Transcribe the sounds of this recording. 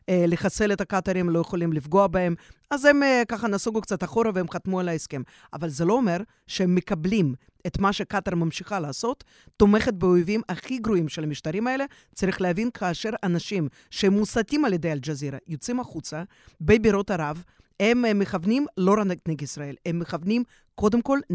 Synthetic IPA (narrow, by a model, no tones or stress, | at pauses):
leχaselet̪ɐkat̪aɾimlo̞jeχolimlifɡoabaemazemkaχɐnasuɡukt͡sat̪aχo̞ɾaveemχat̪mualaeskem | a̰valzelo̞ːme̞ɾ | ʃeemːekablim | et̪maʃekat̪aɾmamʃiχalaːso̞t̪ː | ome̞χet̪̚beojvimaχiɡɾoimʃelamiʃt̪aɾimaele̞ | t͡saɾiχleavinkʰaːʃeɾanaʃim | ʃeemːusat̪ʲimaljed̪ejald͡ʒaziɾajot͡simaχut͡sɐ | bebiɾot̪aɾav | hemːeχavnimlo̞ɾanaɡt̪neɡisɾaelemːeχavnim | ko̞d̪emko̞l